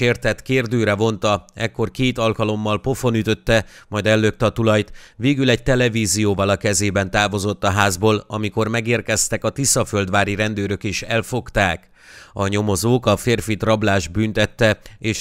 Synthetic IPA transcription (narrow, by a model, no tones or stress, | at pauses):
eːrt̪ɛt̪keːrd̪øːɾɛvo̞nt̪ɒɛkːo̞rkeːt̪ɒlkɒlo̞mːɒlpo̞fo̞nyt̪ø̞t̪ːɛmɒjd̪ɛlːøk̚t̪ɛɒt̪ulɒjt̪veːɡylɛɟ̚t̪ɛlɛviːzijoːvɒlɒkɛzeːbɛn̪t̪aːvo̞zo̞t̪ːɒɦaːzboːlɒ̰miko̞rmɛɡeːrkɛst̪ɛkɒt̪isɒføld̪ʋaːɾiɾɛnd̪øːɾøkeːʃɛlfo̞kt̪aːk | ɒɲo̞mo̞zoːkɒfeːrfit̪rɒblaːʒbyːnt̪ɛt̪ːɛeːʃ